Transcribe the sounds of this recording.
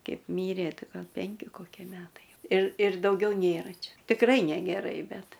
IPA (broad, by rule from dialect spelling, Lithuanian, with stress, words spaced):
ˈkʲɛɪp ˈmʲiːrʲeː ˈtʲɪ ˈɡɐlˠ ˈpʲɛŋʲkʲɪ ˈkoːkʲiɛ ˈmʲæːtɐɪ jɛʊ ɪr ɪr dɐʊˈɡʲɛʊ ˈnʲeːrɐ ˈt͡ʃʲɛ tʲɪkˈrɐɪ nʲɛɡʲɛˈrɐɪ ˈbʲɛt